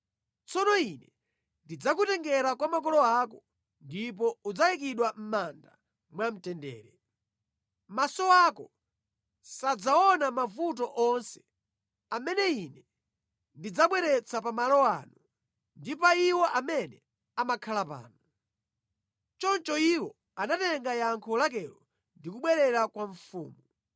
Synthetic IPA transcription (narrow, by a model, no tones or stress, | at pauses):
t͡sɔnɔinɛ | ndid͡zakutɛŋɡɛɾakwamak̬ɔlɔaːkɔ | ndipɔud͡zajik̬iɗwam̩manda̰ | mwam̩tɛndɛ̰ːɾɛ | masɔakɔ | sad͡zaɔnamafut̬ɔʔɔnsɛ̥ | amɛnɛinɛ | ndid͡zaɓwɛɾɛt͡sʰapamalɔwaːnu | ndipaiwɔʔamɛnɛ | amakʰalapa̰ːnuu | t͡ʃɔnt͡ʃɔiwɔ | anatɛŋɡajaŋkʰɔlak̬ɛlɔ | ndikuɓwɛɾɛɾakwaɱfṵːmu